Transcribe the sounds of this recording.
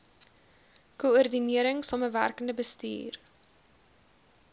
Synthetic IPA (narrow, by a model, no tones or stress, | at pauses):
kuɔrdiniəɾəŋsɑməvæ̰rkəndəbəstḭːr